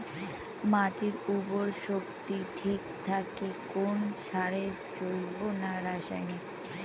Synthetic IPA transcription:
maʈiɾuboɾʃokt̪iʈʰik̚t̪ʰakekonʃaɾeɾ | t͡ɕolbonaɾaʃajni

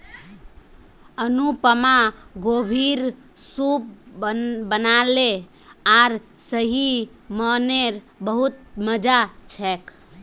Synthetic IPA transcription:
ənupəmaɡobʱiɾ | sup̚ | bənale | aɾsəɦiməneɾ | bəɦut̪̚məd͡ʒat͡ʃʰɛk

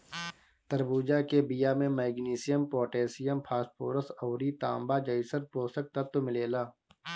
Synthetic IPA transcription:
t̪əɾbuːd͡ʒakebɪjaːmẽmɛːɡniːsɪjəmpoːʈeːsɪjəmpʰaːspo̰ːɾəsəːɾit̪ãːmbaːd͡ʒəisəɾpoːsək̚t̪at̪omɪleːlaː

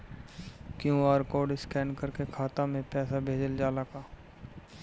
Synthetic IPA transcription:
kjũaːɾkoːɖɪskɛːnkəɾkekʰaːt̪ãmẽpɛːsabʱeːd͡ʒəld͡ʒaːlakaː

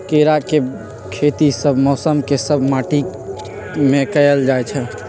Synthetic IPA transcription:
keɾake | kʰet̪isəbʱmɔsəmkesəbʱmaʈi | mekəjəld͡ʒajt͡ʃʰə̃

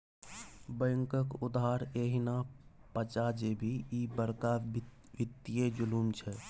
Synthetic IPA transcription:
bə̃ŋkəkʊd̪ɦaːɾeːɦinapət͡ʃad͡ʒebʱiibəɾka | ʋɪt̪ːijed͡ʒʊlumt͡ʃʰɛ

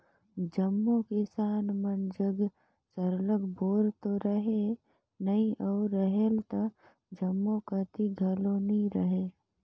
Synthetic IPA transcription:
d͡ʒəmːokɪsaːnmənd͡ʒəɡ | səɾləɡboːɾt̪oɾəɦe | nəĩʔɔːɾːəɦelt̪ɐ | d͡ʒəmːokət̪iɡʱəlonĩɾəɦe

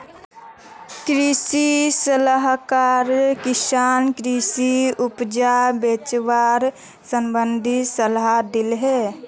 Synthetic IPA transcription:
kɾisisələɦkaɾkɪsaːnkɾisiupd͡ʒabet͡ʃʋaɾ | səmbənd̪ʱisəlɦad̪ilɦe

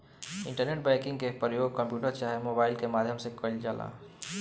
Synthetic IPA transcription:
iɳʈəɾneʈ̚bajkĩŋɡkepɾəjoɡ̚kəmpjuʈəɾt͡ʃaɦemobaɪlkemad̪ʱjəmsekəɪld͡ʒala̰

